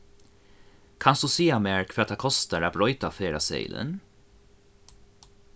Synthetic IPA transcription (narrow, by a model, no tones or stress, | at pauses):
kʰɑnsd̪uːsiːameːɹkʰvɛːt̪ʰːaːkʰɔst̪əɾaːbɾɔʏt̪afeːɾasɛ̰ɪlə̰n